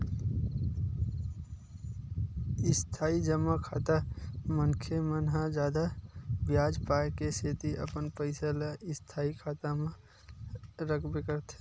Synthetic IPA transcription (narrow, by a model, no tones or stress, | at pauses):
ɪst̪ʰaːid͡ʒəmːakʰaːt̪amənkʰemənɦad͡ʒaːd̪abjaːd͡ʒpaːekeset̪iʔə̰pənpəɪsəlaʔɪst̪ʰaːikʰaːt̪amẽ | ɾəkʰbekəɾt̪ʰe̥